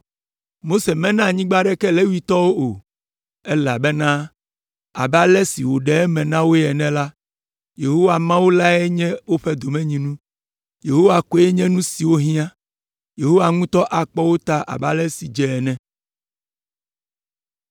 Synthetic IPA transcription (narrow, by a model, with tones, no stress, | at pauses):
mo˦se˨mɛ̃˦nã˦˨ɲĩ˦ɡ͡ba˦ɖɛ˦kɛ˦le˦wu˦i˦t̪ɔ˦wo˦o˨ | ɛ˦la˨bɛ˦nã˦ | a̰˨ba˦lɛ˦si˨wo˨ɖɛ˨ɛ˦mɛ̃˨nã˦wo˦jɛ˨nɛ̃˦la˦ | je˨ɦo˦wa˨mã˦wo˦la˦ɛ˦ɲɛ̃˦wo˦ɸɛ˦d̪o˨mɛ̃˦ɲĩ˨nũ˦ | je˨ɦo˦wa˨ko˦ɛ˦ɲɛ̃˦nũ˦si˨wo˦ɦĩ˦ã˦ | je˨ɦo˦wa˨ŋũ˦t̪ɔ˦ʔa˨k͡pɔ˦wo˦t̪a˦ʔa̰˨ba˦lɛ˦si˨d͡ʒɛ˦˨ɛ˨nɛ̃˦